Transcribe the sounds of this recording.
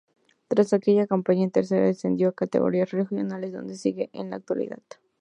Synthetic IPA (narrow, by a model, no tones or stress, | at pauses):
t̪ɾasakeʝakampaɲaent̪eɾs̬eɾa̰ðesend̪jokat̪ḛɣo̞̰ɾiasrexjo̰nalezðo̞̰nd̪esiɣeʔḛnlaak̚t̪walḭða̰ð̥